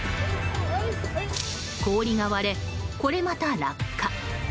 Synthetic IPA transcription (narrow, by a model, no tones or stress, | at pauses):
ko̞ːɾʲiŋaβaɾe̞ | ko̞ɾe̞mat̪aɾa̰kʰːa